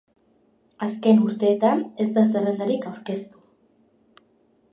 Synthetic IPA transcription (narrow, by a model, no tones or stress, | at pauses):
aske̞nuɾt̪e̞ːt̪ane̞zd̪asarend̪aɾikawɾke̞st̪u̥